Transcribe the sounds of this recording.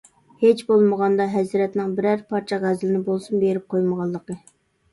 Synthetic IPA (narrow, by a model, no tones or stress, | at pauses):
het͡ʃbolˠməʁɑnd̪ɑɦɛzɾɛt̪nɪŋbɪɾæɾpʰɑɾt͡ʃʰɛʁæzɪlɪnɪbolˠsunbeɾɪp̚qʰojməʁɑlˠːəqə